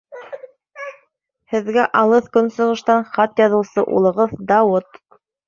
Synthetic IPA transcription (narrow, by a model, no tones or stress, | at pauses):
hɘ̆ðɡæʔɑlˠɤθkɵnsɤ̆ʁɤ̆ʃt̪ɑnχɑt̪jɑðɤ̆wsɤʔṵlˠɤ̆ʁɤðd̪ɑwot̪